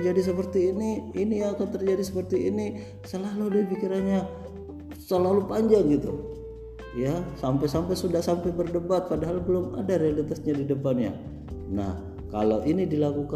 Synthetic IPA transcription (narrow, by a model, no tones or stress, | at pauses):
d͡ʒadis̬əpərt̪iːniinijaːkant̪ərd͡ʒadisəpərt̪iini | səlaludipikiɾanɲa | səlalupaɲd͡ʒaŋɡit̪u | jasampajsampajsudahsampajbərdəbat̪̚padaɦalbəlʊma̰daɾealit̪asɲadidəpanja̰ | na̰h | ka̰lowʔinidilakuka